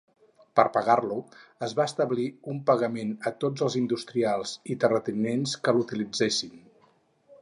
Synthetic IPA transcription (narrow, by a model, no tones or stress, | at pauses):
pəɾpəɣarluəzβaəst̪əβliumpəɣəmenət̪od͡zəlˠzind̪ust̪ɾialˠzit̪ərət̪inenskəlut̪ilid͡zesin